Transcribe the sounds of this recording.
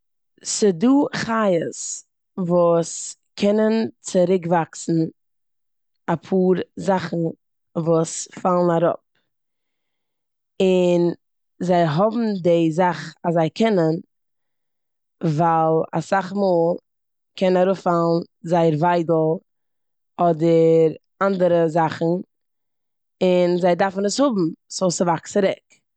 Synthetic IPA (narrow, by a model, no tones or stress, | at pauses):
sɪduːχajəs | vuːs | kʰɛnənt͡sɪɾɪkvaksn̩ | apʰuːɾzaχn̩ | vuːsfalˠn̩aɾɔ̰p̚ | ɪn | zaɪɦɔbm̩dɪzaχazaɪkʰɛnən | valˠa̰saχmuːlˠ | kʰɛnnaɾʊfalˠn̩zaɪəɾvaɪdl̩ˠ | ɔdəɾ | andəɾəzaχn̩ | ɪnzaɪdaɾfn̩əshʊbm̩soʊsəvaksəɾɛk